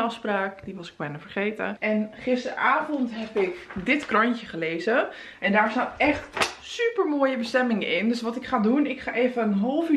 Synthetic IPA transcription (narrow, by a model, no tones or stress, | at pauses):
ɑfspraːkdiʋɑsɪ̥k̚bɛjnəfərχeːtə̰ʔɛnχɪstə̰raːvɔntɦɛpɪkdɪtkrɔncəχəleːzə | ʔɛndaːɹstaːtɛχtsypərmoːjəbəstɛmɪŋəʔɪndøsʋɔtɪkχaːdunɪkχaːʔeːvəənɦolˠf